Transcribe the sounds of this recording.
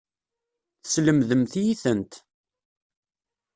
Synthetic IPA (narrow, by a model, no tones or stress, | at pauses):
θə̥sləmðəmθjiθənt̪